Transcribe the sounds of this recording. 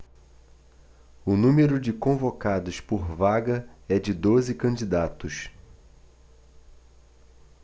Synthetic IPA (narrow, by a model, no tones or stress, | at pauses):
ʊnũmeɾʊd͡ʒɪkõvokad̪ʊspoɾvaɡɐɛd͡ʒɪd̪ozɪkɐ̃d͡ʒid̪at̪ʊʃ